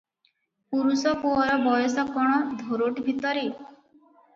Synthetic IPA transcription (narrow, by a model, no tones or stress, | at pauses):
puɾusɔkoɔɾɔbɔjɔsɔkɔɽ̃ɔd̪ʱoɾoʈbʱit̪ɔɾe